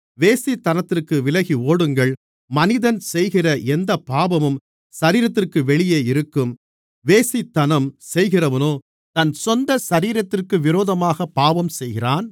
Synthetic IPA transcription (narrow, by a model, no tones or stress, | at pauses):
ʋeːsit̪ːɐnɐt̪ːɪrkɯʋɪlɐɣioːɽɯŋɡɐɭ | mɐnɪðɐnsɛjɣɪrɐʔɛnd̪ɐpːaːbɐmɯm | sɐɾiːɾɐt̪ːɪrkɯʋɛɭɪjeːɪɾɯkːɯm | ʋeːsit̪ːɐnɐmsɛjɣɪrɐʋɐnoː | t̪ɐnsɔnd̪ɐsɐɾiːɾɐt̪ːɪrkɯʋɪɾoːðɐmaːɣɐpːaːʋɐmsɛjɣɪraːn